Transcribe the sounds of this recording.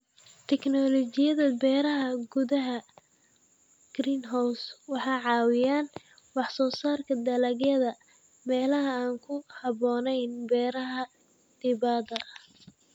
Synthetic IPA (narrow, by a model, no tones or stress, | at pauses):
t̪ʰɛknɔlɔt͡ʃɪjɐðɐbɛːɾɐɦɐɡʊðɐɦɐ | ɡ̥riːnɦawswɑħɑjʕɑːwɪjaːn | wɑħsɔːsaːrkʰɐd̪ɐlɐɣjɐðɐ | mɛːlɐɦɐaːŋkʰʊhɑβɔːnɛjnbɛːɾɐɦɐ | d̪̥ɪβaːd̪ɐ